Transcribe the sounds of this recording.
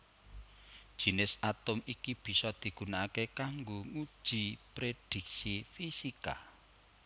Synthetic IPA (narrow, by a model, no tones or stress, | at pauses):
d̥ʒ̥i̤nɪsʔat̪ʊmikib̥i̤sɔd̪̥i̤ɡ̥ṳnaakekaŋɡoŋud̥ʒ̥ipɾed̪̥i̤k̚sifisika̰